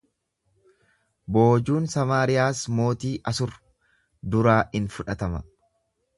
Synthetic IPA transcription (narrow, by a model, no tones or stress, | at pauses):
boːd͡ʒuːnsɐmaːɾɪjaːsmo̞ːt̪iːʔɐsʊɾ | d̪ʊɾaːʔɪnfʊᶑɐt̪ɐmɐ